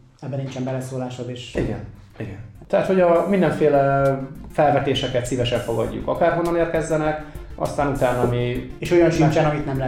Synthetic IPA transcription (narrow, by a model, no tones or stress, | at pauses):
ɛbːɛniɲt͡ʃɛmbɛlɛsoːlaːʃod̪eːʃiɡɛ̰n | iɡɛnt̪ɛɦat̪ho̞ɟɒmind̪ɛɱfeːlɛfɛlvɛt̪eːʃɛkɛt̪sivɛʃɛɱfo̞ɡɒ̰ɟːṵkɒkaːrɦonːɒneːrkɛzːɛnɛkʔɒ̰st̪aːnut̪aːnɒmieːʃojɒnʃit͡ʃaːnɒmit̪nɛml